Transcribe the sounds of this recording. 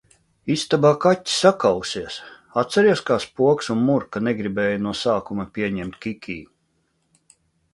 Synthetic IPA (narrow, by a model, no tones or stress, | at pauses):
ist̪abaːkatʲːi̥sakawsiɛs | at̪sɛɾiɛskaːspuɔksunmuɾkanɛɡɾibɛːjanuɔsaːkumapʲiɛɲɛmt̪kʲikʲʰiː